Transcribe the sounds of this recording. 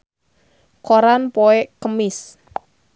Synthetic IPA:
koɾanpoekəmɪs

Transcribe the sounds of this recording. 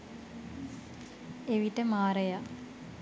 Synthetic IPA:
eʋiʈəmaːɾeja

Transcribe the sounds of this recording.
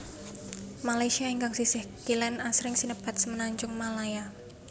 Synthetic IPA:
malajsiaiŋkaŋsisɪhkilɛnasɾɪŋsinəpat̪̚səmənaɲd͡ʒʊŋmalaja

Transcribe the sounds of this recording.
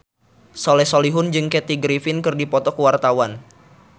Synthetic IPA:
sɔlɛsoliɦʊnd͡ʒɨŋkɛt̪iɡɾifɪnkɨrdipɔt̪ɔkəwart̪awan

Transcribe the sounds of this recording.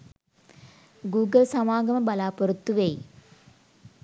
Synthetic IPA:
ɡuːɡɐlsɐmaːɡɐmɐbɐlaːpoɾut̪ːuʋej

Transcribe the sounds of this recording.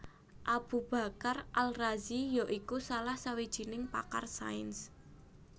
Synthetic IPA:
ʔab̥ṳb̥ä̤karʔalrazijɔʔikusalahsawid̥ʒ̥i̤nɪŋpa̰karsa̰ɪns

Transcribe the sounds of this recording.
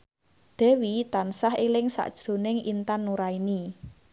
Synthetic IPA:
d̪̥ɛ̤wit̪ansahelɪŋsa̰ʔd̥ʒ̥ɾo̤nɪŋḭnt̪anːuɾaini

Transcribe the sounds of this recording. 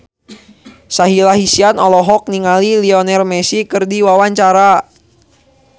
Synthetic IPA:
saɦilaɦisianɔlɔɦɔk̚niŋaliliɔnɛrmɛsikɨrdiwawaɲt͡ʃaɾa

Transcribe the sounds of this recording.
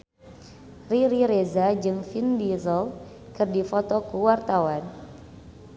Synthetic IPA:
riɾiɾezad͡ʒɨŋfindizɔl | kɨrdifɔt̪ɔkuwart̪awan

